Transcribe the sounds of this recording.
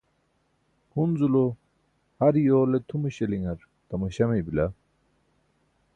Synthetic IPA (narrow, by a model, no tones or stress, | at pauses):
hunzulo | hɐɾjoːlet̪ʰumɐɕɐliŋɐɾ | t̪ɐmɐɕɐmebila